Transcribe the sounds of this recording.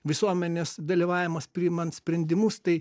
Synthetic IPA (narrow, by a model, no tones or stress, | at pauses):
ʋʲɪsuɔmʲɛnʲeːsd̪ɐlʲiːʋɑːʋʲɪmɐspʲɾʲɪːmɐnt̪sʲpʲɾʲɛnʲd̪ʲɪmʊst̪ɐɪ